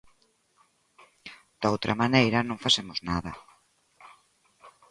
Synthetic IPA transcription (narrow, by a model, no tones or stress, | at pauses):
d̪̥owt̪ɾʔɐ̰manejɾɐnõŋfasemʊznaðɐ